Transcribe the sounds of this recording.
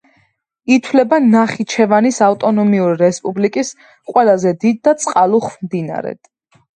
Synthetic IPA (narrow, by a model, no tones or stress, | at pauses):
it̪ʰwlɛbanaχit͡ʃʰɛvanisaft̪ʼɔnɔmiuɾiɾɛspʼublikʼis | qʼwɛlˠazɛd̪id̪̚ːat̪sʼqʼalˠuχvmd̪ina̰ɾɛ̰d̪̥